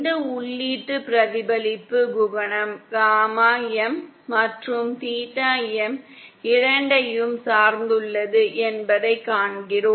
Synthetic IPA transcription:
d̪ɐʊɭːiːʈːɯpɪɾɐðɪbɐlɪpːɯɡʊʋɐɳɐmɡaːmaːjɛmː | ɐʈrɯmt̪iːʈːaːjɛm | ɪɾɐɳɖɐjɯmsaːɾnd̪ɯɭːɐðɯʔɛnbɐðɐɪkːaːɳɡɪɾoː

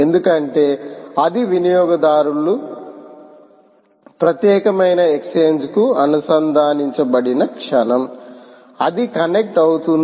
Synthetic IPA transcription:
end̪ukɐɳʈe̞ːɐd̪iʋinijɔːɡɐd̪aːɾulu | pɾɐt̪jɛːkɐmɐjnɐekseːɲd͡ʒkuɐnɐsɐnd̪ʱaːniɲt͡ʃɐbɐɽinɐkʂɐnɐm | ɐd̪ikɐnek̚ʈɐwut̪un

